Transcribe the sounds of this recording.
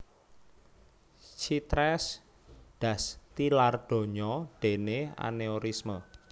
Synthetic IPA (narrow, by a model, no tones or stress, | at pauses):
t͡ʃit̪ɾɛs | d̪̥ä̤st̪ilard̪̥o̤ɲɔɖ̥e̤nea̰neoɾismə